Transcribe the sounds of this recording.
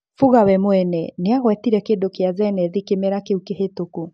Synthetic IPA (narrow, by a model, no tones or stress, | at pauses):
fuɣawɛmowɛnɛneaɣwɛtiɾɛkedokeazɛnɛðikemeɾakeukehetoku